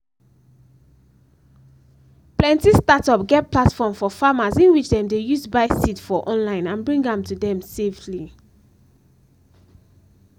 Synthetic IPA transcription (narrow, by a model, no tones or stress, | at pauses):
plɛ̃ntistatɔpɡɛtpʰlatfɔmfɔfamazĩnwit͡ʃdɛ̃mdejusbaɪsitfɔʔɔ̃nlãɪ̃nãnbɹĩŋɡãmtudɛ̃msefli